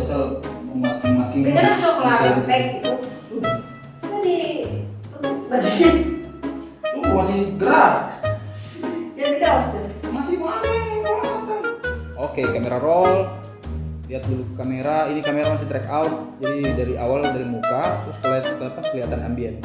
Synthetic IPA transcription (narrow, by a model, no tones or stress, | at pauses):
asalmasɪŋmasɪŋianasɔklatɛk̚t̪uu | t̪udit̪ut̪ʊbad͡ʒsi | umasɪhɡəɾa | d͡ʒat̪idasʊmasɪhmamaŋkalasaŋk̪anokekameɾaɾɔl | liat̪̚bəlukameɾainikameɾamas̬ɪht̪ɾɛkaut̪̚d͡ʒadidaɾiʔawaldaɾimukat̪ɾʊskalakənapakəliɦat̪ana̰mbian